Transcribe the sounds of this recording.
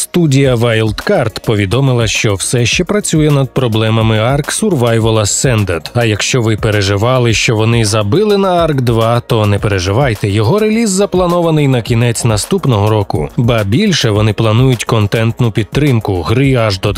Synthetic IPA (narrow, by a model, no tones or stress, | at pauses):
st̪udʲijɐʋɑjlˠt̪kɑrt̪pɔʋʲid̪ɔmɪlˠɐʃt͡ʃɔwsɛʃt͡ʃɛpɾɐt͡sʲujɛnɐd̪̚pɾɔblˠɛmɐmɪɑrksʊrʋɑjʋɐlˠɐsɛnd̪ɐrd̪ɐjɐkʃt͡ʃɔʋɪpeɾeʒɪʋɑlˠɪʃt͡ʃɔʋɔnɪzɐbɪlˠɪnɐɑrkd̪ʋɑt̪ɔnɛpeɾeʒɪʋɑjt̪ɛjɔɦɔɾelʲizːɐplˠɐnɔʋɐnɪjnɐkʲinɛt͡sʲnɐst̪upnɔɦɔɾɔkʊ̰bɐbʲilʲʃɛʋɔnɪplˠɐnujʊtʲkɔnt̪ɛnt̪nʊpʲid̪̚t̪ːɾɪmkʊɦɾɪɐʒd̪ɔd̪